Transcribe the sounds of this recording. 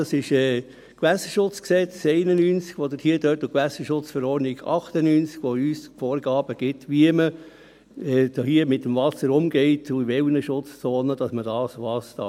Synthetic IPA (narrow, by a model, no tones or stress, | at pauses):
ɑsɪʃɛː | kʋæsəʃʊt͡sksɛt͡sɛɪnənynt͡sɡ̥ʋod̪əthiəd̥øːtʊkʋæsəʃʊt͡sfəɾɔːɾniɡ̥ɑ̰χt̪ənyːnt͡skʋɔyːsfɔːɾɡɑːb̥əɡ̥ɪtʋiəmə | ɛːhiəmɪtːəmʋɑsəɾʊmɡɛɪtʰʊɪʋɛlnəʃʊt͡st͡soːnəd̥ɑsmədɑːsʋɑsd̥ɑ̰